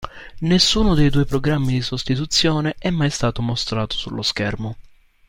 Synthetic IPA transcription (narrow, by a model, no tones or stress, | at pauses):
nesːuːnʊd̪ejd̪uːjpɾoɡɾamːid̪isost̪it̪ut̪sːjoːneʔɛmːajst̪aːt̪omost̪ɾaːt̪o̥sulːoskɛrmo